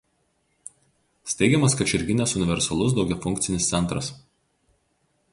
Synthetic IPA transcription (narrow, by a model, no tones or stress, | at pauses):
sʲt̪ʲɛɪɡʲɛmɐskɐt͡ʃʲɪɾʲɡʲɪnʲɛsʊnʲɪʋʲɛɾsɐlˠʊs̬d̪ɒʊɡʲɛfʊŋʲk̚ʲt̪sʲɪnʲɪst̪sʲɛnˑt̪ɾɐs